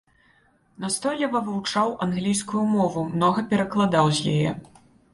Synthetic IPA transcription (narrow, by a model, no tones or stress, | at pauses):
nast̪ɔlʲɛvɐvɨwt͡ʂawʔanɣlʲijskujumɔvumnɔɣɐpʲɛɾɐklˠad̪awzʲjajɛ̰